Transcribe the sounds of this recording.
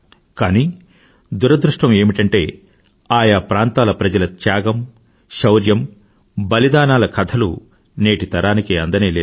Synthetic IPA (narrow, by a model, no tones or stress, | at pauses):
kaːniː | d̪uɾɐd̪ɾuʂʈɐme̞ːmiʈɐɳʈe̞ː | aːjaːpɾaːnt̪aːlɐpɾɐd͡ʒɐlɐt̪jaːɡɐm | ʃɐwɾjɐm | bɐlid̪aːnaːlɐkʰɐt̪ʰɐlṵ | ne̞ːʈit̪ɐɾʔaːnikeːɐnd̪ɐneːleː